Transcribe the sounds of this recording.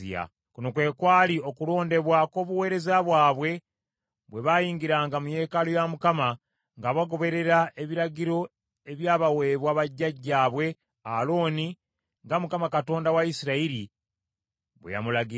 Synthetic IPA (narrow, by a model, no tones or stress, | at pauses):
ḭja̰ | kunokwe̞ːkwaːlio̞kulo̞ːnde̞βwako̞ːβuwe̞ːɾe̞zaβwaːβwe̞ | βwe̞βajiːŋɡiɾaːŋɡamuje̞ːkalojamukama | ŋɡaβaɡo̞βe̞ɾe̞ɾae̞βiɾaɡiɾo̞ | e̞βjaːβawe̞ːβwaβaɟːaɟːaːβwe̞ | a̰lo̞ːni | ŋɡamukamakato̞ːndawaisiɾaiɾi | βwḛja̰mulaɡi